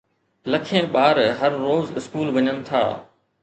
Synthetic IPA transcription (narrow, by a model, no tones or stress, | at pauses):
lɐkʰẽːɓaːɾɦɐɾːoːzɪskuːlʋɐɲənɪ̆t̪ʰa̰ː